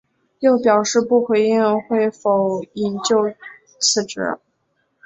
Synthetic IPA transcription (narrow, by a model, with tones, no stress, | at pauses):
jo˥˩ʊpjɑ˨˩ʊʂɻ̩˥˧pu˥˩xwe˧˥ɪi˥˧ŋxwe˥˩ɪfo˨˩ʊi˧˩nt͡ɕjo˥˧ʊ | t͡sʰɹ̩˥˩ʈ͡ʂɻ̩̰˧˥